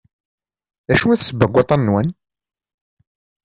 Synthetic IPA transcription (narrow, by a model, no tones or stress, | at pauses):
æʃunæθsəbəɡʷːɑt̪ˤɑnːwæn